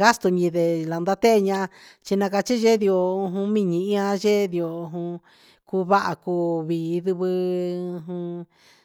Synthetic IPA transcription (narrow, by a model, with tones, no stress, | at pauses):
ɣa˦st̪o˧ɲĩ˧ðe˨la˨˧nd̪a˦t̪e˦˧ɲã˧ | t͡ʃi˧nã˧ka˧t͡ʃi˦ʒe˦ði˧o˧ɦũ˧mĩ˦˧ɲĩ˧ĩ˦ã˧ʒe˦ði˧o˧ɦũ˧ | ku˧βa˦ʔa˧kuː˧βiː˨˧ðu˧βɨ˧u˧ɦũ˧